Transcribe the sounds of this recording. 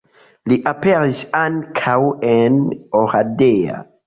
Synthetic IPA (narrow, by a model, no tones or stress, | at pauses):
liʔapeɾisaŋkʰawenoɾadea̰